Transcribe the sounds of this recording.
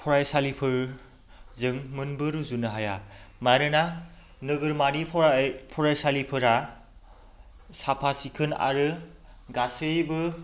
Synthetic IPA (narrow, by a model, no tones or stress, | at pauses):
pʰɔɾajsalipʰɯɾ | zɯŋmɯnbɯɾuzunɯɦajamajɾɯna | nɯɡɯɾmaɾipʰɔɾajsalipʰɯɾa | sapʰasikʰɯna̰ɾɯ | ɡasɯjbɯ